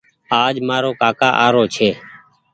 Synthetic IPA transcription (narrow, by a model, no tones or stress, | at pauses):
aːd͡ʒmaːɾoːkaːka̰ːʔaːɾoːt͡ʃʰeː